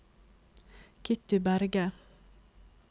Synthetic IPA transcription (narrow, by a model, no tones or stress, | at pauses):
kʰɪt̪ʉbæɾɡə